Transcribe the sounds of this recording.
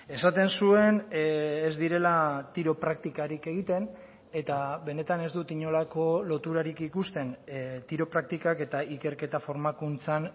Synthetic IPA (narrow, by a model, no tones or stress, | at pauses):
e̞sat̪e̞nsue̞nezd̪iɾe̞lat̪iɾopɾak̚t̪ikaɾike̞ɣ̞it̪e̞n | e̞t̪aβe̞ne̞t̪ane̞zd̪ut̪iɲo̞lako̞lo̞t̪uɾaɾikikust̪e̞nt̪iɾo̞pɾak̚t̪ikake̞t̪aʔike̞ɾke̞t̪afo̞ɾmakunt͡san